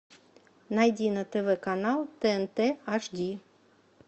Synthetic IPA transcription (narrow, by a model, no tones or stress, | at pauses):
nɐjdʲinɐt̪ɛʋɛkanalˠt̪ɛɛnt̪ɛaʒdʲi